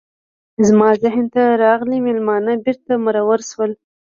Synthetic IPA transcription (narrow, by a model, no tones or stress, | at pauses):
zmɑzɪhnt̪aɾɑɣlimelmɑnabɪɾt̪aməɾawəɾʃwəl